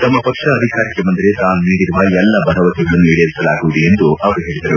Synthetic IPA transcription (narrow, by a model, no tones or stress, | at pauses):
t̪ɐmːɐpɐkʂɐːd̪ʱikaːɾikːemɐnd̪iɾet̪aːnniːɽiɾuʋɐɛlːɐbʱɐɾɐʋɐt̪iɡɐɭɐnːuiɽeɾisɐlaːɡuʋd̪iend̪uʔɐʋɐɾuɦe̞ːɭid̪ɐɾu